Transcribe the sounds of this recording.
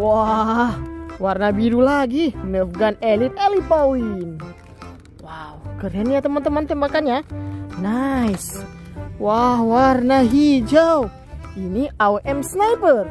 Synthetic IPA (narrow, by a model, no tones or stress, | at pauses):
wahwarnabiɾulaɡinɛfɡanɛlit̪ɛlipowin | wawkəɾɛnat̪əmant̪əmant̪ɛmbakanjanajs | wahwarnaɦid͡ʒaw | iniʔawʔɛmsnajpər